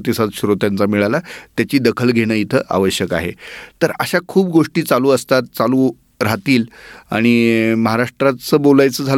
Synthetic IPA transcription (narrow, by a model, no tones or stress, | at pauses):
t̪isad͡z̪ɕuɾot̪jant͡samiɭalat̪jat͡ɕiːd̪əkʰəlɡʱeɽ̃əːit̪ʰəːʔa̰ʋəɕjəka̰ɦḛt̪əɾəɕakʰuːbɡoʂʈiːt͡saluːəst̪at̪̚t͡saluː | ɾat̪iːla̰ɽ̃iməɦaɾaʂʈɾat͡səːbolajt͡səd͡zʱal